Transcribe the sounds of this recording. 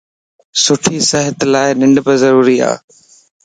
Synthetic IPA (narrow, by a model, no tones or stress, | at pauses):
sʊʈʰisɐɦət̪laːɪnɪ̃ɳɖpəzɐɾuːɾia̰ː